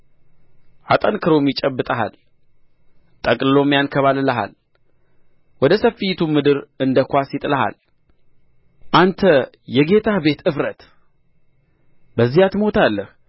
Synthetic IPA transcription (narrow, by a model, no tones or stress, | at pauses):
ʔat̪ʼənkʰɨɾomjɪt͡ʃʼəbːɨt̪ʼaɦa̰l | t̪ʼəkʼlɨlo̞mjankʰəβalləɦa̰l | wɔd̪əsəfijɪt̪ʰumɨd̪ɨɾɨnd̪əkʷasjɪt̪ʼɨləɦa̰l | ʔant̪ʰə | jɛɡe̞t̪ʰabe̞t̪ɨfɾət̪ | bəzːihat̪mo̞t̪ʰalːəh